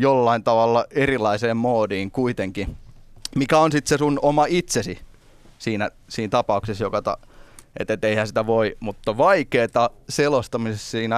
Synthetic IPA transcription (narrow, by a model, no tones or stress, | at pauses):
jolːɑint̪ɑʋɑlːɑerilɑiseːmmoːdiːŋkuit̪eŋkimikæonsit̪sesunomɑit̪sesi | siːnæ | siːnt̪ɑpɑuksesjokɑt̪ɑ̰ḛt̪ːet̪ːeihænsit̪æʋoimut̪ːɑʋɑikeːt̪ɑselost̪ɑmisessiːnæ